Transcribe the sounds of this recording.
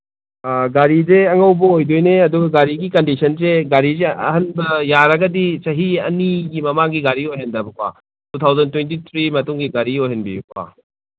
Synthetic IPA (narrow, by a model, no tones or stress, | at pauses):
ɡaɾizeɐŋɐwbɐojdojneɐduɡɐɡaɾiɡikɐndisʰɐnseɡaɾizeɐ̰ɦɐnbɐjaɾɐɡɐdisɐɦiɐ̰niɡimɐmaŋɡiɡaɾiojɦendɐbɐkʰwa̰ | tut̪ʰawzɐntwent̬it̪ʰɾimɐtuŋɡiɡaɾiojɦenbibkʰwa̰